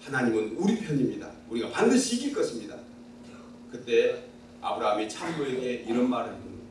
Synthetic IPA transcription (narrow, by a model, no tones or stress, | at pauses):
hanaɲimɯnuɾipʰjʌɲimɲida̰ | uɾiɡapandɯɕʰiːɡiɭk͈ʌɕʰimɲida | kɯt͈e̞ | a̰bɯɾaɦamit͡ɕʰammueɡe̞iɾʌnmaɾɯɭpon